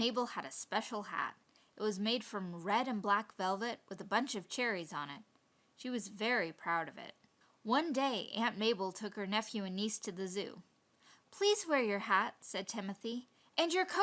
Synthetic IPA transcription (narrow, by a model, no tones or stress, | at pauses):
eɪbl̩ˠəɾɨspɛʃl̩ˠhæ̰ɾ | ɨt̚wʌzmeɪd̥fɹʌ̃mɹɛɾɨ̃nblækvɛlˠvɨt̚wʔɨðəbʌ̃nt͡ʃʌv̥t͡ʃʰɛɹizn̩ɪ̰t̚ | ʃiwʌzvɛɹipʰɹ̥aʊɾʌvɪ̰t̚ | wʌ̃ndeɪʔæ̃nmeɪbl̩ˠtʰʊkhə˞nɛfjʉɨ̃nistʰɨðɨzʉ̰ | pʰl̥izwɛɹjə˞hæt̚sɛd̚tʰɪ̃mɨθi | ʔɨ̃njə˞kʰo